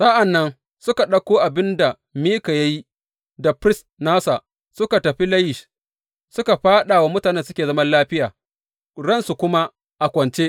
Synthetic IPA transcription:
sa˦ʔa˨nːɐ˦n | sʊ˦ka˨ɗɐ˦kʷoː˦ʔa˨bɪ˦nda˨ | miː˦ka˨ja˦ji˦ | da˨pɾɪ˦s | naː˦sa˨ʔ | sʊ˦ka˨tɐ˨ɸi˦lɐ˦jɪ˨ʃ | sʊ˦ka˨ɸaː˦ɗa˨wa˦mʊ˦taː˨nɛ˦nsʊ˦kʲeː˨zɐ˦mɐ˦nlaː˦ɸɪ˦jaː˨ | ɽɐ˦nsu˨kʷʊ˦ma˦ | ʔa˨kʷɔ˨nt͡ʃe˦ʔ

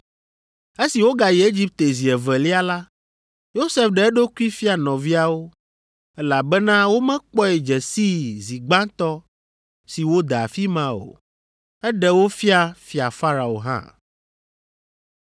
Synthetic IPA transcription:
e˦si˨wo˦ɡa˨jɛ˨e˦d͡ʑi˦p̚t̪e˨zi˨ɛ˨vɛ˨li˦a˦la˦ | jo˦se˨fɖɛ˨ɛ˦ɖo˦ku˦i˦fi˦a˨nɔ̃˨vi˦a˨wo˦ | ɛ˦la˨bɛ˦nã˦wo˦mɛ̃˦k͡pɔ˦ɛ˨d͡ʒɛ˨si˦zi˨ɡ͡bã˦t̪ɔ˦ | si˨wo˦d̪a̰˨fi˦mã˦o̰˨ | ɛ˦ɖɛ˨wo˦fi˦a˨fi˨a˨fa˦ɾa˨o̰˨ɦã̰˦

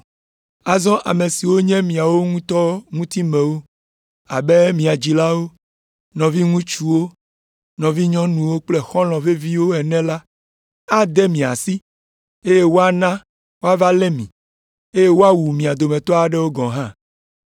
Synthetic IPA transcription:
a˨zɔ̃˦ʔa˨me˨si˨wo˦ɲɛ̃˦mĩ˨a˨wo˦ŋũ˦t̪ɔ˦ŋũ˦t̪i˦mɛ̃˨wo˦ | a̰˨be˦mĩ˨a˨d͡ʑi˨la˦wo˦ | nɔ̃˨vi˦ŋũ˦t͡ʃu˦wo˦ | nɔ̃˨vi˦ɲɔ̃˦nũ˨wo˦k͡plɛ˦xɔ̃˦l̃ɔ̃˨ve˦vi˦wo˦ɛ˨nɛ̃˦la˦ | a˦d̪ɛ˦mĩ˨a̰˨si˦ | e˦je˦wo˦a˨nã˦ | wo˦a˦va˦lɛ˦mĩ˨ | e˦je˦wo˦a˦wu˨mĩ˨a˨d̪o˨mɛ̃˨t̪ɔ˦a˨ɖɛ˦wo˦ɡɔ̃˨ɦã˦

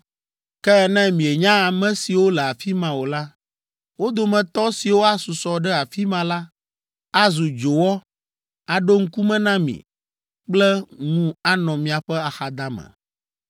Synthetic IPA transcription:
kɛ˦˨nɛ̃˦mĩ˨e˨ɲã˦a˨mɛ̃˦si˨wo˦lɛ˨a˨fi˦mã˨wo˨la˦ | wo˦d̪o˨mɛ̃˨t̪ɔ˦si˨wo˦a˦su˨sɔ˨ɖɛ˦a˨fi˦mã˨la˦ | a˦zu˨d͡ʒo˨wɔ˦ | a˨ɖo˦ŋ̩˦ku˦mɛ̃˦nã˦mḭ̃˨ | k͡plɛ˦ŋũ˦a˦nɔ̃˨mĩ˨a˨ɸɛ˦a˨xa˨d̪a˦mɛ̰̃˨

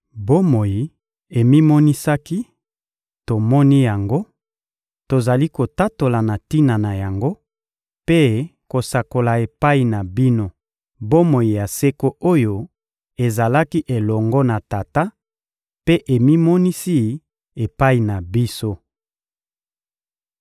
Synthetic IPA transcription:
bo˦mo˨ji˨ | e˨mi˦mɔ˦ni˦sa˦ki˦ | to˨mɔ˦ni˦ja˨ŋɡo˦ | to˨za˨li˦ko˨ta˦to˨la˨na˨ti˦na˨na˨ja˨ŋɡo˦ | pe˦ko˨sa˨ko˨la˨e˨pa˦i˨na˨bi˦no˦ | bo˦mo˨ji˨ja˨se˦ko˦o˦jo˦ | e˨za˨la˦ki˦ʔe˨lɔ˨ŋɡɔ˦na˨ta˨ta˦ | pe˦ʔe˨mi˦mɔ˦ni˦si˦ | e˨pa˦i˨na˨bi˦so˦

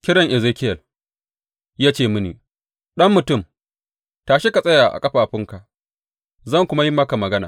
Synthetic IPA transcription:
kʲɪ˦ɽɐ˨ŋʔɪ˨zeː˦kʲɪ˦jɐ˨l | jaː˦t͡ʃeː˦˨mʊ˦nḭː˨ | ɗɐ˦mːʊ˨tʊ˦˨m | taː˨ʃe˦ka˨sʼɐ˦jaː˨ʔa̰˨kʼɐ˦ɸaː˨ɸɪ˦ŋka˨ | zɐ˦˨ŋkʷʊ˦ma˦ji˦mɐ˦ka˨mɐ˨ɡɐ˦naː˨

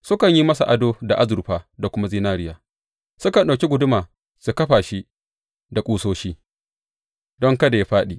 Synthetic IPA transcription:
sʊ˦kɐ˨ɲji˦mɐ˦sa̰˨ʔa˨doː˦da˨ʔa˦zʊ˨ɾɸaː˦da˨kʷʊ˦ma˦ziː˦naː˦ɾɪ˦jaː˨ | sʊ˦kɐ˨nɗa˨kʲi˦ɡʷʊ˨dʊ˦maː˨ | su˨kɐ˦ɸaː˨ʃi˦ | da˨kʼuː˦soː˦ʃiː˦ | dɔ˦ŋkɐ˦da˨ja˦ɸaː˦ɗiː˨ʔ

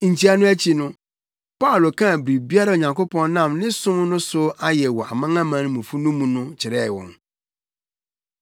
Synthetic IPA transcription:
ɲ̩˨tʰi˦a˦nʊ̃˦æ˦t͡ɕʰi˨nʊ̃˦ | pa˦ʊ˨lo˨kʰã˦˨bɾi˨bi˦a˦ɾa˦˨o˨ɲã˨ŋkʰo˦pʰɔ̃˦nnã˦˨mnɪ̃˦sʊ̃˦m˦nʊ̃˦sʊ˦a˦jɛ˨wɔ˨a̰˨mã˦ŋã˦mã˨˦ñ˦mũ˨fu˦nũ˦mũ˨nʊ̃˦t͡ɕʰɪ˨ɾɛ˦˨wɔ̰̃˨n

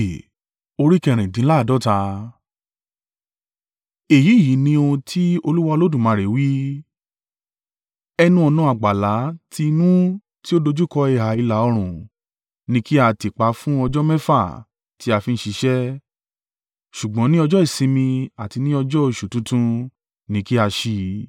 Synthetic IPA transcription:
o˧ɾi˦kɛ˦˨ɾ̃ĩ˨dĩ˨˦la˦˨dɔ˦ta˧ | e˨ji˨˦˨ji˨˦nĩ˧o˧ũ˧tʰi˦o˧lu˦wa˦˧o˧lo˦dũ˦˨mãː˨˦ɾe˨˦wi˦ | ɛ˧nũ˦ɔ˧nɔ̃˦a˨ɡ͡ba˨la˨˦tʰi˧nũ˦ | ti˦o˦do˧d͡ʒu˦kɔ˧e˨ɦa˨i˧la˨˦ɔ˧ɾ̃ũ˨ | nĩ˧ki˦a˧ti˨k͡pa˨˧˦fũ˦ɔ˧d͡ʒɔ˦mɛ̃˦fa˦˨ | ti˨˦a˧fi˧n̩˦ʃi˧˦ʃɛ˦ | ʃu˨ɡ͡bɔ̃˨˦nĩ˦ɔ˧d͡ʒɔ˦i˦˨sĩ˧mĩ˧a˨ti˧nĩ˦ɔ˧d͡ʒɔ˦o˦˧˨ʃu˨tũ˨˦tũ˦ | nĩ˧ki˦a˧ʃi˧

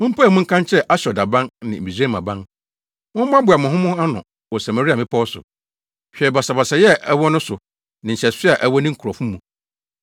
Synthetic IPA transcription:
mʊ̃˦m̩˦pʰa˦ɛ˨mʊ̃˦ŋ̩˦kʰã˦n˦t͡ɕʰɛ˦ʔa˦ɕɔ˨da˨bã˦nnɪ̰̃˨m̩˨bi˨sẽ˦mã˨bã˦n | mʊ̃˦m˦mã˦bʊ˨a˨mʊ̃˨ɦʊ̃˦mʊ̃˦a˦nʊ̰̃˨ | wɔ˨sã˨mã˨ɾi˦a˨mɪ̃˦pʰɔ˦ɔ˦sʊ̰˨ | ɕᶣɛ˨ɾi˨ba˨sa˨ba˨sa˨jɛ˦ɛ˦wɔ˦nʊ̃˦sʊ˨ | nɪ̃˨ɲ̩˨ɕɛ˨sɪ˦a˨ʔæ˨wɔ˦nɪ̃˦kʰu˨ɾɔ˨fũ˦mũ˨

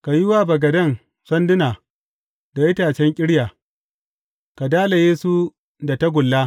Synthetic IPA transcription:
ka˨jɪ˦waː˦bɐ˨ɡɐ˨dɐ˦˨n | sɐ˦ndɪ˦naː˨ | da˨jɪ˦taː˨t͡ʃɛ˦ŋkʲʼɪ˦ɽjaː˨ | ka˨daː˦la˨jeː˦su˦ | da˨ta˦ɡʷʊ˨lːaː˦

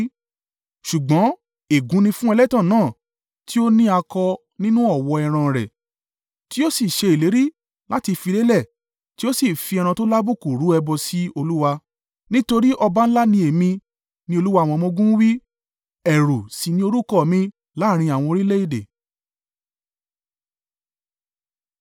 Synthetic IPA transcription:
ʃu˨ɡ͡bɔ̃˨˦ | e˨ɡũ˨˦nĩ˧fũ˦ɛ˧lɛ˦tã˦˨nãː˦˨ | ti˦o˦nĩ˦a˧kɔ˧ | nĩ˦nũ˦ɔ˦˨wɔ˧ɛ˧ɾ̃ã˧˨ɾɛ̰˨ | ti˦o˦si˦˨ʃe˧i˨le˨˦ɾi˦ | la˦ti˧fi˧le˦lɛ˦˨ | ti˦o˦si˦˨fi˧ɛ˧ɾ̃ã˧to˦la˦bu˦˨ku˨ɾu˨˦ɛ˧bɔ˧si˦o˧lu˦wa˧ | nĩ˦to˧ɾi˦ʔɔ˧ba˦n̩˦la˦nĩ˧e˨mĩ˧ | nĩ˦o˧lu˦wa˧˨w̃ɔ̃˧mɔ̃˧ɡũ˦wi˦ | ɛ˨ɾu˨si˨nĩ˧o˧ɾu˦kɔ˦˨mĩ˧ | la˨˦˨ɾ̃ĩ˧a˨w̃ɔ̃˧o˧ɾi˦le˦i˦˨dḛ˨

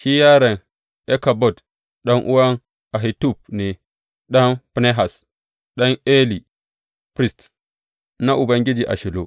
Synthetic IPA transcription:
ʃi˦ja˦ɾa˨n | e˦ka˨bo˦˨d | ɗo˦ŋʔṵ˦wa˦n | a˨ɦi˨tu˦˨p̚ne˨ | ɗa˦npne˦ɦa˨s | ɗa˦ne˦li˨ | pɾi˦st | na˦ʔu˨ba˦ŋɡʲi˦d͡ʒi˨ʔa̰˨ʃi˨lo̰˨

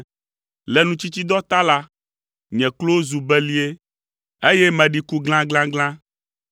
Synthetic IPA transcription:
lɛ˨nũ˦t͡ʃi˦t͡ɕ̪i˦d̪ɔ˦t̪a˦la˦ | ɲɛ̃˨klo˦wo˦zu˨bɛ˦li˦e˦ | e˦jɛ˦mɛ̃˨ɖi˨ku˦ɡl̃ã˦ɡlã˦ɡlã˦

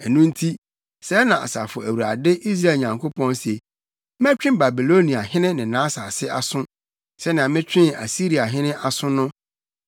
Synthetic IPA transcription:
ɛ˨nũ˦n̩˦tʰi˦ | sɛ˨˦nã˨a̰˨sa̰˨fʊ˨æ˨wu˨a˨dɪ˦ʔi˦s̬ɾa˦˨ɲã˨ŋkʰo˦pʰɔ̃˦nsɛ˨˦ | mæ̃˦t͡ɕᶣɪ̃˦m˨ba˨bi˨lo˦nĩ˨a˨hɪ̃˦nɪ̃˦nɪ̃˨nãː˨˦sa˨sɪ˦ʔa˨sʊ̃˦ | sɛ˨˦ñ˨ã˨mɪ̃˦t͡ɕᶣɪ̃˦na̰˨si˦ɾi˨a˨ɦɪ̃˦nɪ̃˦ʔa˨sʊ̃˦nʊ̃˦

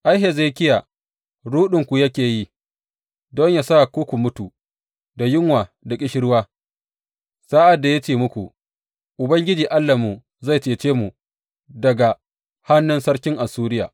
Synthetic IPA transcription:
ʔa˦jɦe˨zeː˦˨kʲɪ˦ja˨ | ɽuː˦ɗɪ˨ŋkʷu˨jɐ˦kʲeː˨ji˦ | dɔ˦ɲja˨sa˦kʷu˦kʷu˨mʊ˦tu˨ | da˨jɪ˦ŋwaː˨da˨kʲʼɪ˦ʃɪ˦ɽwaː˦ | sa˦ʔa˨dːa˨ja˦t͡ʃeː˦mʊ˦kʷu˨ | ʔʊ˨bɐ˦ŋɡʲɪ˦d͡ʒiː˨ʔa˦lːa˨mu˨ | za˦˨jt͡ʃeː˨t͡ʃeː˦mu˨ | dɐ˨ɡa˨ | ha˦nːʊ˦nsɐ˦ɽkʲɪ˦ŋʔa˨suː˦ɾɪ˦jaː˨

